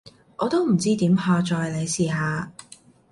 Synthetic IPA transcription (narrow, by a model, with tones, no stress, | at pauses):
ʔɔː˨˧t̪o˥wm̩˨˩t͡siː˥t̪iː˨˥mhɔː˧t͡ʃɔː˧jle˨˧jsiː˨ɦaː˨˧